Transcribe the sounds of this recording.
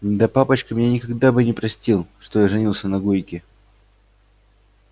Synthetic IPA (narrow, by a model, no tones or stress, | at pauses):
ɪd̪ɐpapət͡ɕkəmʲɪnʲenʲɪkɐɡd̪abɨnʲɪpɾɐsʲtʲilˠʂt̪o̞jaʐɨnʲilˠsʲənɐɡujkʲɪ